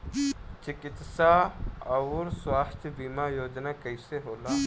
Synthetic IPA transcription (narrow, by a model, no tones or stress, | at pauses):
t͡ʃɪkɪt̪saɐɾswaːst̪ʰbiːmajoːd͡ʒnakɐiseɦoːlaː